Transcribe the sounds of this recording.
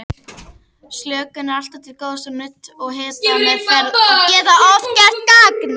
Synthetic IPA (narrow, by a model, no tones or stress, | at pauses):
sljœːkʏnɪɾal̥t̪at̪ʰɪlkoːwðsanʏt̪ɔɣɦɛːt̪anɛfajɛːðaɔvcɛr̥t̪̚kaːkna